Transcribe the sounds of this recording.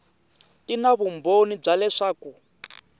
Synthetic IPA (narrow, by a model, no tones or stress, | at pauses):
tinaβumbonib͡ʐalɛʂaːku